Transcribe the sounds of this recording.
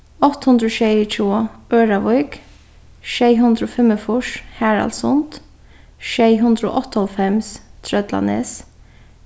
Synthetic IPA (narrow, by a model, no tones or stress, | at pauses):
ɔt̪ːhʉnd̪ɾoːʃɛɪt͡ʃʰuːøːɾɑʋɔʏɡ̥ | ʃeɪɦʉnd̪ɾoːfɛməfʊʂhæːɹɑ̰lsʊnt̪ | ʃeɪɦʉnd̪ɾəo̰ːʔɔt̪ːəɔlfɛmst̪ʰɾœd̪lɑ̰nḛs